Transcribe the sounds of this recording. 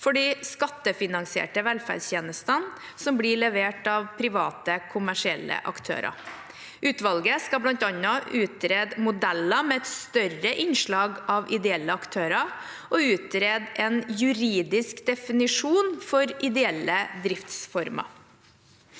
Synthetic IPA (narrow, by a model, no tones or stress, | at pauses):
fɔɖiːskɑt̪ːəfɪnɑŋsɪḛːʈəʋɛlfæ̰ɖsçeːnəst̪ən | sɔmbliɭɛʋeːʈɑʋpʰɾɪʋɑːt̪əkʰʊmæʂɪɛlːə̰ʔɑ̰kt̪ʰø̰ːɾɑ̰ | ʔʉːt̪ʋɑlɡəskɑblɑnt̪ɑnɔʉːt̪̚ɾeːd̪mʊd̪ɛlːɑmɛɛt̪st̪œrəʔɪnʂɭɑːɡʔɑʋɪd̪ɛɛlːəɑkt̪ʰøːɾɑ | ʔɔʉːt̪̚ɾeːd̪ɛnjʉɾiːd̪ɪskd̪ɛfɪnɪʂuːnfɔɾɪd̪ɛɛlːəd̪ɾɪft̪sfɔɾmɑ̰